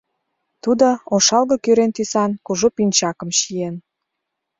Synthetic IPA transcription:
t̪ud̪ooʃɑlɣɤkyɾent̪ysɑnkuʒupinʲt͡ɕɑkə̆mʃijen

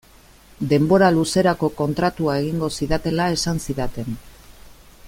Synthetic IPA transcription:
d̪e̞mbo̞ɾaluse̞ɾako̞ko̞nt̪ɾat̪uae̞ɣ̞iŋɡo̞siðat̪e̞lae̞sansiðat̪e̞n

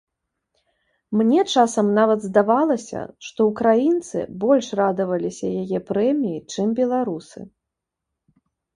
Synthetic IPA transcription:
mnʲɛt͡ʂasɐmnavɐd̪zd̪avalˠɐsʲɐ̰ʂt̪ɔukɾajint̪sɨ̰bɔlʲʂrad̪ɐvɐlʲisʲɐjajɛpɾɛmʲijit͡ʂɨmbʲɛlˠaɾusɨ̰

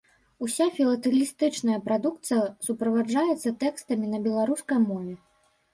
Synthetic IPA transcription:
usʲafʲilˠɐt̪ɨlʲist̪ɨt͡ʂnɐjɐpɾad̪uk̚t̪sɨjɐsupɾɐvad͡ʐajɛt̪sːɐt̪ɛkst̪ɐmʲinɐbʲɛlˠaɾuskɐjmɔvʲɛ

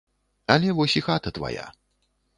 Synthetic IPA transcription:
ɐlʲɛvɔsʲixat̪ɐt̪va̰ja̰

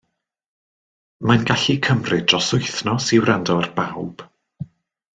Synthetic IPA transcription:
manɡaɬikʰəmrɨdrɔsʊjθnɔsiwrandɔrbawb̥

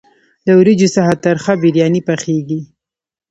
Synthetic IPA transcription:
ləwɾid͡ʒosaɦat̪aɾxabiɾjɑnipaχxeɡi

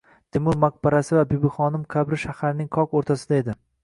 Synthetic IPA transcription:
t̪ʰɪmʊɾmaq̚baɾasɪvabibɪχɒnɪmkʲʰabɾɪʃahaɾnɪŋqʰɒkoɾt̪ʰasɪd̪ae̞d̪ɪ

